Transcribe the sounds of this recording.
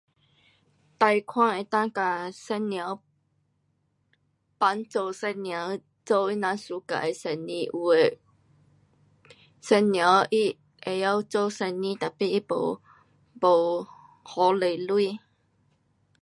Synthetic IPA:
t̪a˧jkʰwã˥˧˨ŋe˨˩t̪ã˥˧ŋka˨sɛ˧nnja˨˧˦ | pa˨˦nt͡so˨˧˩wsɛ˧nnja˨˦ | t͡so˧wi˦˥nã˨˧˦nsu˨˦ka̰˨ʔe˨˩sɛ˧˩nnĩ˧˩ʔu˨e˨˩ | sɛ˧nnja˨˧˦wʔi˦ | e˨ja˦˧wt͡so˥˧wsɛ˧nnĩ˦t̪a˨˩˨pi˧˦ʔi˦˥po̰˨˩ | bo˨˩w | hɔ˨˦le˨˩lwi˥˧˨

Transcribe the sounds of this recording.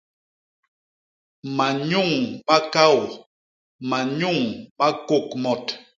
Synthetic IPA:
ma˨ɲu˦˨ŋɓa˦ka˦˨w | ma˨ɲu˦˨ŋma˦ko˦˨kmɔ˨t

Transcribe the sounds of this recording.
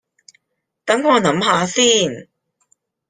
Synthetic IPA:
k̪ɐ˨˥ŋŋɔː˨˧nɐ˨˥mɦaː˨˧siː˥˩n

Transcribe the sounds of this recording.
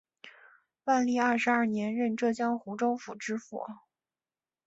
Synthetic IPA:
wa˥˧nli˥˧ɐ˞˥˩ʂɻ̩˧˥ɐ˥˩njɛ˧˥nɻə˥˧nʈ͡ʂɤ˥˩t͡ɕjɑ˥ŋxu˧˥ʈ͡ʂo˥ʊfu˨˩ʈ͡ʂɻ̩˥fɔ̰˨˩˦

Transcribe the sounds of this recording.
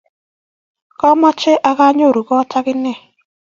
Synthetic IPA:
kɔ˦ma˦t͡ʃe˦ʔa˦ka˦ɲo˦˨ɾu˨kɔ˦ta˦kɪ˦nɛ˦˨

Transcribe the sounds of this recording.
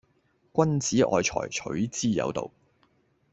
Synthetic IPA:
kʷɐ˥nt͡siː˨˥ʔɔ̰ː˨jt͡ʃʰɔ̰ː˨˩jt͡ʃʰɵ̰˨˥ɥt͡siː˥jɐ̰˨˧wt̪o̰˨w

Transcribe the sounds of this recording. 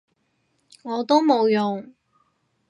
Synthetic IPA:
ŋɔː˨˧t̪o˥wmo˨˧wjʊ˨ŋ

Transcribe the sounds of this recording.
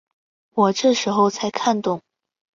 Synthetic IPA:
wɔ˨˩ʈ͡ʂɤ˥˩ʂɻ̩˧˥xo˧ʊt͡sʰa˧˥ɪkʰa˥˧nt̪ʊ˥˩ŋ

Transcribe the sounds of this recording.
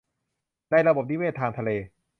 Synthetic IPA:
na˧jɾa˧bo˨˩p̚ni˦weː˥˩t̪ʰːaː˧ŋt̪ʰa˧leː˧

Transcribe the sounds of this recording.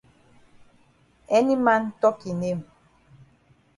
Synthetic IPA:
ɛ˦ni˦ma˦n˦tɔ˦ki˨ne˦˨m

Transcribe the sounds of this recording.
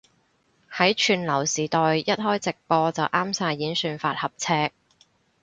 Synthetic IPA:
hɐ˨˥jt͡ʃʰyː˨˧nlɐ˨˩wsiː˨˩t̪ɔː˨jjɐ˥t̚hɔː˥jt͡sɪ˨k̚pɔː˧t͡sɐ˨wʔaː˥msaː˧jːiː˨˥nsyː˧nfaː˧t̚hɐ˨p̚t͡sʰɛː˥k̚

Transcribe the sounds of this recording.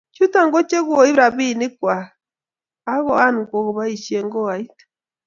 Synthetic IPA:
t͡ʃu˦ta˨ŋɡo˦t͡ʃe˦ɣwo˨i˦βɾa˨βi˦ni˦kwaː˨˦ | ɣɔ˨a˦ni˨ko˨ɣo˨βa˦i˨ʃie˦ŋɡɔ˦a˨i˦tḁ

